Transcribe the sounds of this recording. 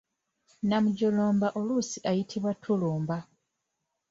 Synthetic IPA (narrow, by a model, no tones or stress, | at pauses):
namuɟoloːmbaʔolusiʔajitʰiβwatʰuluːmba